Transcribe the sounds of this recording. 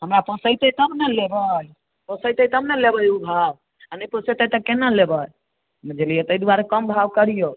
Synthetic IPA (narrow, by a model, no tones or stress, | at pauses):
ɦəmɾapəsəjt̪əit̪əbnɛlebəj | pəsəjt̪ət̪əmnɛlebəjubʱab | anəjpəsəjt̪ət̪əkenəlebəj | məd͡ʒelijɛt̪əid̪uaɾekəmbʱabkəɾijo